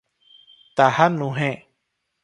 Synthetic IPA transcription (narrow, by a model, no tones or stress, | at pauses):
t̪ahanũɦẽ